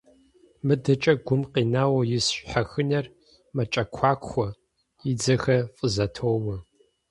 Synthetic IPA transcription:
mɨdɐt͡ʃʼɐɡʷʊmqiːnaːwɐjɪsɕħaxɨnɐr | mɐt͡ʃʼɐkʷʰaːkʷʰʼxʷɔ | id͡zɐxɐfʼɨzɐtʰoːwɐ

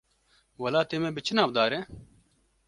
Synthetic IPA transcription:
wɐlaːt̪eːmeːbɪt͡ʃinaːʋd̪aːɾe

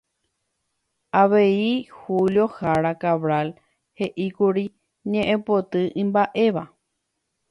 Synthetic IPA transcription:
ʔaʋeihuljo̞haɾakaβɾal | he̞ʔikuɾi | ɲẽʔẽpo̞t̪ɨʔĩmbaʔe̞ʋa

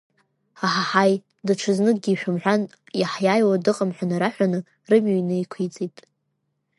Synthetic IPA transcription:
aħaħaj | dɨʈ͡ʂʰɨznɨk̚ʼɡʲiːʃᶣamħʷᶣan | jaħjaːjwadɨqʼamħʷanaɾaħʷᶣanɨ | rɨmɥojnɨikʷʰit͡sʼitʼ

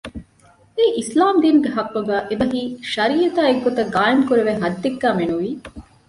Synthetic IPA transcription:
eʔislaːmd̪iːnɡeɦɐkːɐɡæːʔebɐɦiːʃɐɾiːjɐt̪aːeɡːot̪ɐɡaːjɐmkuɾeʋeɦɐd̪ːeɡːæːmenuʋiː

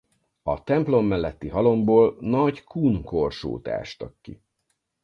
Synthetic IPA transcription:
ɒt̪ɛmplo̞mːɛlːɛt̪ːiɦɒlo̞mboːlnɒɟkuːnkorʃo̰ːt̪a̰ːʃt̪ɒkːḭ

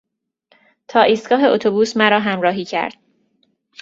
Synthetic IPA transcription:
t̪ʰɒːʔiːst̪ɡ̥ɒːɦe̞ʔot̪ʰobuːsmæɾɒːɦæmɾɒːɦiːcʰæ̰ɾd̪̥̚

